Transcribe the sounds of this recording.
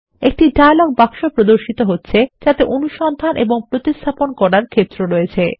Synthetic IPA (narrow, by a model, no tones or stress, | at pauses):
ek̚ʈiɖaaloɡ̚bakʃopɾod̪oɾʃit̪oɦotːɕʰed͡ʑat̪eʔonuʃɔnd̪ʱanʔḛboŋpɾot̪ist̪ʰaponkɔɾaɾkʰet̪ːɾoɾoet͡ɕʰe